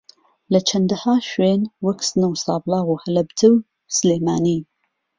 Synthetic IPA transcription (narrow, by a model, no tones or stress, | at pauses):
lɐt͡ʃʰɐnd̪ɐhaːʃweːnwɐksɨnɐwsɑːblɑːɣuːhɐlɐbt̪ʰɨw | sɨleːmaːniː